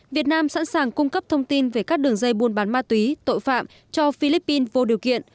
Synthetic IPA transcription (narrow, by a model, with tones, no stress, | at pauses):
vi˨˩ət̚naː˧msa̰˧˥nsaː˨˩ŋkʊ˧ŋ͡mkə˦˥p̚t̪ʰə˧wŋ͡mt̪i˧nve˧˨˩kaː˦˥k̚ɗɨ˨˩əŋzə˧jɓu˨˩ənɓaː˨˦nmaː˧t̪wi˨˦t̪o̰˧˨jfa̰ː˧˨m | t͡ɕɔ˧fi˧li˦˥pːi˧nvo˧ɗi˨˩əwkḭ˧˨ən